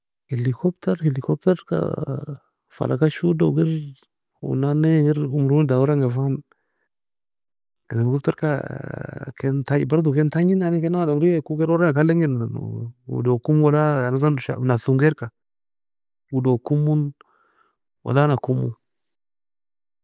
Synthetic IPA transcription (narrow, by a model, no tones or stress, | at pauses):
helikopteɾhelikopteɾka̰ | fa̰lʔa̰kaʃudoɡiɾ | ṵnaneɡiɾumɾudawuɾaŋɡefan | keeikoteɾka̰ | kentaḭbaɾdukentaɲinanikenaadaɾijekuɡeɾaɾaakaleŋiɾnan̰wṵdokumwalaanazanʃa̰nasuŋɡeɾka | wudokumun | wa̰lanakumṵ